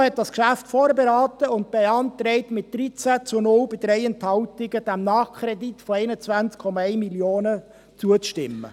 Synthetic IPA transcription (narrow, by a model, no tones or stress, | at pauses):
hɛt̚d̥ɑskʃæftfoːɾbeɾɑːt̪əʊnt̚b̥eɑnt̪ɾɛɪtmɪt̚d̥ɾit͡sæt͡sʊnʊlbɪdɾɛɪɛnt̪hɑltɪɡəd̥æmnɑːχkʰɾɛditfɔɛɪnət͡sʋænt͡skʰɔmɑɛɪmiljoːnə | t͡suət͡sʃtɪmːə̰